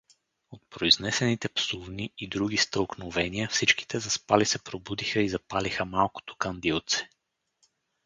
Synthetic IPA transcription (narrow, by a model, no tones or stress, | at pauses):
ot̪̚pɾoiznɛsɛnit̪ɛpsuvniːd̪ɾuɡ̟ist̪əlˠknovɛniəfsit͡ʃki̥t̪ɛzɐspalisɛpɾobud̪ixəizɐpalixəmalˠko̥t̪o̥kɐnd̪ilˠt̪sɛ̥